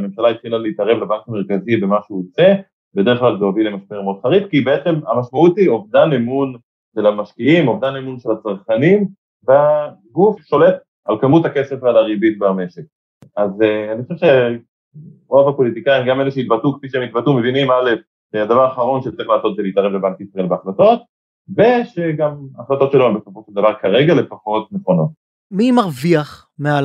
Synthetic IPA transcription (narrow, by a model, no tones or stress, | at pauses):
memʃalait̪χilaleːt̪aʁe̞vlabaŋkame̞ʁkazibe̞maʃeut͡se | bede̞ʁeχklalzoavilemaʃpeʁmod̪χaʁitkibeet͡se̞mamaʃmaut̪io̞vd̪anemun | ʃelamaʃkiimo̞vd̪anemunʃe̞lat͡saʁχanim | ba | ɡufʃo̞le̞t | alkamuthake̞se̞falaʁibit̚bame̞ʃek̚ | azaniχoʃɛvʃe | ʁovapo̞lit̪ikaiimɡameleʃeit̪batukfiʃeemit̪̚batume̞vinimale̞f | ʃead̪avaʁaχaʁo̞nʃet͡seχlaːso̞t̪zelit̪aʁevlebalt̪itʁaelbeaχlato̞t̪̚ | ve̞ʃe̞ɡamaχlat̪o̞tʃeloembesafoʃeld̪avaʁkaʁe̞ɡalefaχot̪̚neχo̞no̞t̪̚ | mimaʁviaχ | mea